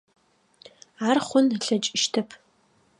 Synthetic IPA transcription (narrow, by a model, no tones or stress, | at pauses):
aːrχʷʊnɬɐt͡ʃʼɪʃtʰɐpʰ